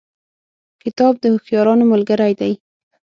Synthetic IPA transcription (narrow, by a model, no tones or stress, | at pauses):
kɪt̪ɑb̚d̪əhʊxjɑɾɑnomʊlɡaɾajd̪aj